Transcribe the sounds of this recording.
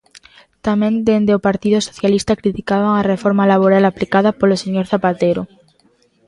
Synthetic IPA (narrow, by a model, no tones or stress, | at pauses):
t̪amẽnd̪end̪eopaɾt̪iðʊso̥θjalist̪akɾit̪ikaβaŋarefɔɾmalaβ̞oɾalaplikað̞apoloseɲoɾθapat̪eɾo